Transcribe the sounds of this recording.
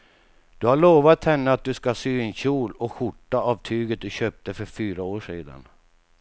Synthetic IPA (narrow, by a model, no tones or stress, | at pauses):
d̪̥ɵhaɭoːvat̪hɛnːəat̪̚d̪ɵskasyːɪnɕuːlɔɧʊʈːaavt̪ʰyːɡət̪̚d̪ɵɕøːp̚t̪əfœɾfyːɾaoːʂḭːd̪a̰n